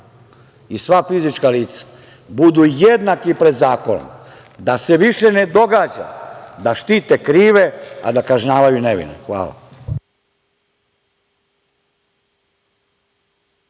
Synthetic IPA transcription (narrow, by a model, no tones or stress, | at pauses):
isʋafizit͡ʃkaliːt̪sḁ | bud̪ujed̪nakipɾe̞d̪zaːko̞no̰m | d̪ase̞ʋiʃene̞d̪o̞ɡad͡ʑa̰d̪aʃt̪iːt̪ekɾiːʋe̞a̰d̪akaʒɲaːʋajuneʋḭnḛxʋa̰ːla̰